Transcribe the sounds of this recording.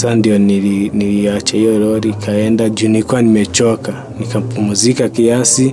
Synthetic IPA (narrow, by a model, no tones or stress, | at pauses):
sandiɔniniliat͡ʃahijɔɛlɛɔɾikʰaɛndad͡ʒunikuwanimɛt͡ʃɔka | nikam̩pumuzikakiasi